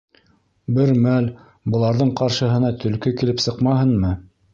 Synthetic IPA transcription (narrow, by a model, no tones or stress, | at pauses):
bɘɾmæl | bɤ̆lˠɑɾðɤɴqɑɾʃɤ̆ɦɤ̆nɑt̪ʰɵ̆lkɵkilɘpsɤqmɑɦɤnmɤ